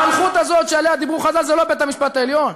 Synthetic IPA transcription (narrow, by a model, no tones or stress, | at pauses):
lχut̪azot̪ʃealejad̪ibʁuχazalzelo̞bet̪amiʃpat̪aeljo̞n